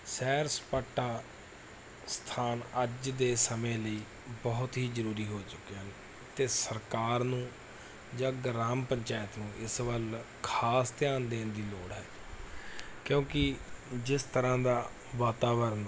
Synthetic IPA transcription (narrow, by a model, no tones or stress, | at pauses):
sɛːɾspaːʈːaː | st̪ʰaːnəd͡ʒd̪eːsəmẽːləiː | bɔɦʊt̪ɦiːzəɾuːɾiːɦoːt͡ʃʊkːeɦən | t̪eːsəɾkaːɾnũː | d͡ʒãːɡɾaːmpəɲt͡ʃaːjət̪nũːʔɪsʋəl | kʰaːst̪ɪjaːnd̪eːnd̪iːloːɽɦɛː | kjõːkɪd͡ʒɪst̪əɾãːd̪aː | ʋaːt̪aːʋəɾn